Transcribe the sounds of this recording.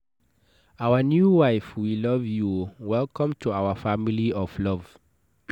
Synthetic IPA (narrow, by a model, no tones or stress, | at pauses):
awənjuwaɪfwilʌvjuwɛlkɔ̃mtʰuawəfamiliɔvlʌv̥